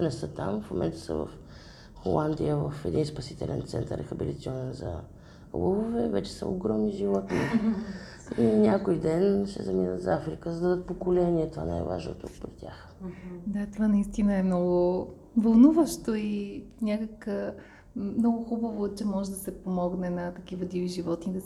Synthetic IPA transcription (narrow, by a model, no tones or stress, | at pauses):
nɛsət̪amfmo̰mʔɛ̰nt̪ə̥sə̰və̰f | xolˠand̪ijəvəfɛd̪inspɐsit̪ɛ̰lɛ̰nt̪sɛ̰nt̪əɾɛxəbilʲit̪siɔnɛnzɐ̰ | ləvovɛvɛt͡ʃɛ̥sə̰o̰ɡɾɔmniʒivɔt̪ni | inʲakojd̪ɛnʃɛ̰zɐminə̰t̪zafɾikəzəd̪ɐd̪ət̪̚pokolɛniɛt̪ova̰na̰jva̰ʒno̰t̪ukpɾit̪ʲax | d̪at̪ovanɐist̪inəɛmnɔɡʊ | vɐlˠnuvəʃt̪oinʲakəkə | mnɔɡʊxubəvot͡ʃɛmɔʒɛd̪ɐsɛpomɔɡnɛnɐt̪ɐkivəd̪iviʒivɔt̪nid̪ɐ